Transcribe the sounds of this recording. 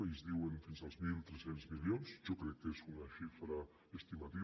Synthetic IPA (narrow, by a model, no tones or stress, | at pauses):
ejzðiwenfinzalˠzmilˠt̪ɾesenzmiljonz̥ʒokɾekːezunaʃifɾa | est̪imat̪i